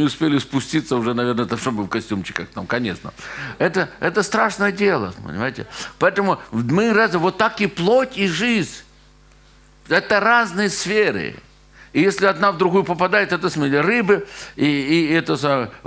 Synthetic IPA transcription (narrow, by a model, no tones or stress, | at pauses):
ɪʊspʲelʲɪspʊsʲtʲit̪səʊʐɛnɐvʲe̞rnət̪ɐʂt̪obɨfkɐsʲtʲumt͡ɕɪ̥kəxt̪amkɐnʲeʂnə̰ɛt̪əɛt̪əst̪ɾaʂnəjədʲelˠə̰pə̰nʲɪ̰majɪtʲɪ̰pɐɛt̪əmʊmɨrazʲɪvot̪ːakɪplˠotʲiʐɨzʲ | ɛt̪əraznɨjəsfʲeɾɨ̰ | ɪjesʲlʲɪɐd̪navd̪ɾʊɣujʊpəpɐd̪ajɪt̪ɛt̪əsmʲɪlʲɪɾɨbɨiːɛt̪əsam